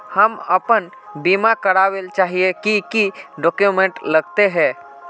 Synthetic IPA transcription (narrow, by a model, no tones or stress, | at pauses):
həməpən | biːmakəɾaːwelt͡ʃaːɦiekikiɖɔːkjumẽɳʈləɡt̪eɦɛ̃ː